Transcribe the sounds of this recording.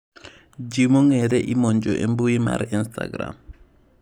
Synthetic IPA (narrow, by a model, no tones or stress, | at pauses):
d͡ʒimoŋeɾɛʔimoɲd͡ʒoʔembuima̰ɾinsta̰ɡɾa̰m